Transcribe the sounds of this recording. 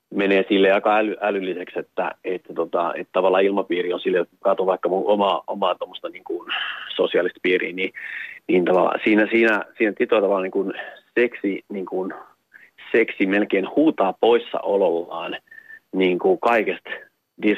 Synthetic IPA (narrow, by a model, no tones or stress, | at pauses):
meneːsilːejɑikɑælyʔælylːisekset̪ːæ̰et̪ːæt̪ot̪ɑ̰ḛt̪t̪ɑʋɑlːˑɑːilmɑpiːrionsilːejot̪kɑt̪oʋɑikːɑmuomɑːomɑːt̪omːost̪ɑniːŋkunsosiɑlist̪̚piːrḭːniniːnt̪ɑʋɑlːˑɑ̰siːnæsiːnæsiːnæt̪it̪oɑt̪ɑʋɑlːɑːniŋkunseksiniːŋkun | seksimelkeːnhuːt̪ɑːpoisːɑ̰ʔololːɑːnniːŋkukɑikest̪ | dis